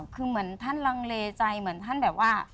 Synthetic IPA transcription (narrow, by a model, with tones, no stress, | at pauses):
kʰɯː˧mɯ˩˦ənt̪ʰa˥˨nla˧ŋleː˧t͡ɕa˧jmɯ˨˩˦nt̪ʰa˥˩nbɛː˨˩p̚waː˥˩